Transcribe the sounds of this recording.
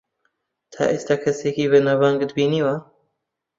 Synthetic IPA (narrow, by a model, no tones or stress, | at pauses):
t̪ʰa̰ːʔeːst̪ʰaːkʰɐseːkiːveːnavaŋɡd̪biːniwa